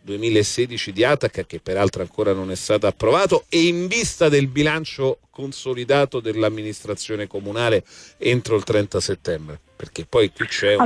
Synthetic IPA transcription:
d̪uemiːlaesːɛːd̪it͡ʃid̪iat̪akːak̟epːeɾalt̪ɾeaŋkoːɾanonɛst̪aːt̪aːpːɾovaːt̪oeiɱvist̪ad̪elbilant͡ʃokonsolid̪aːt̪od̪elːamːinist̪ɾat̪sːjoːnekomunaːleent̪ɾoilt̪ɾɛnt̪aset̪ːɛmbɾeperk̟epːɔjkwit͡ʃːɛ

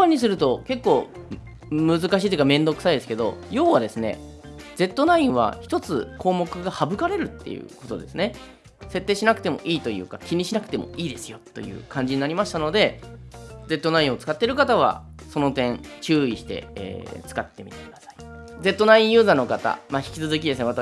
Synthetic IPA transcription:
ãɲ̟ːis̬ɨɾɯ̟t̪o̞ke̞kːo̞ː | mɯ̟zɨkaɕiːt̪oi̟kamẽ̞nd̪o̞kɯ̟said̪e̞sɨ̥ke̞d̪o̞̰jo̞ːβad̪e̞sɨne̞̰ | d͡ze̞t̪ːo̞naĩɰ̃β̞a̰çi̥t̪o̞t͡sɨkʰo̞ːmo̞kɯ̟ɡahabɯ̟kaɾe̞ɾɯ̟t̪ːe̞̰jɯ̟̰ko̞t̪o̞d̪e̞sɨne̞ | se̞t̪ːe̞ːɕinakɯ̟̥t̪e̞mo̞̰ʔiːt̪o̞jɯ̟̰ːkakʲiɲ̟iɕinakɯ̥t̪e̞mo̞̰iːd̪e̞sɨ̥jo̞t̪ːo̞̰jɯ̟̰ːkãɲ̟d͡ʑiɲ̟inaɾʲimaɕi̥t̪ano̞d̪e̞ | d͡ze̞t̪ːo̞naĩɰ̃o̞t͡sɨ̥kat̪ːe̞ɾɯ̟kat̪aβ̞a̰so̞no̞t̪ẽ̞ŋt͡ɕɨːiɕi̥t̪e̞̰ḛːt͡sɨ̥kat̪ːe̞mʲit̪ekʲinasḁi̥d͡ze̞t̪ːo̞naĩɰ̃jɯ̟ːzano̞kat̪a̰maçi̥kʲi̥t͡sɨzɨk̬ʲid̪esɨne̞at̪

